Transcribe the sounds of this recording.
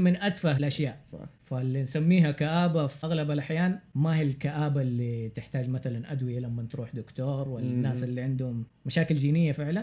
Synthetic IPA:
mɪnʔad̪fahɪlʔaʃjaːʔfalːinsamːiːɦakaʔaːbafiʔaɣlabalʔaħjaːnmahialkaʔaːbalːit̪ɪħt̪aːd͡ʒmaθalanʔad̪wɪjalamːant̪ɾuːħd̪ʊkt̪oːɾˤwɪlanːaːsɪlːiʕɪnd̪hʊmːaʃaːkɪld͡ʒiːnɪjːafɪʕlan

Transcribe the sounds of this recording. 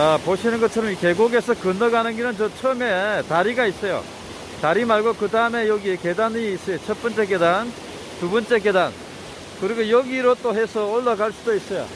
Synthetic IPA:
apoɕʰinɯnɡʌt̚t͡ɕʰʌɾʌmike̞ɡoɡe̞sʰʌkɯnʌɡanɯniɾʌnt͡ɕʌt͡ɕʰʌme̞taɾiɡais͈ʌjo̰ | taɾimaɭɡokɯdaɯme̞jʌɡieke̞daniːs͈ʌjot͡ɕʰʌt̚p͈ʌnt͡ɕ͈e̞ke̞dan | t̪ubʌnt͡ɕ͈e̞ke̞dan | kɯɾiɡojʌɡiɾot͈oɦe̞sʰʌːɭːaɡaɭs͈udois͈ʌjo̰

